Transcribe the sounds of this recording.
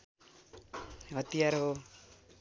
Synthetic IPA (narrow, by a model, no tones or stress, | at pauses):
ɦʌt̪ijarɦo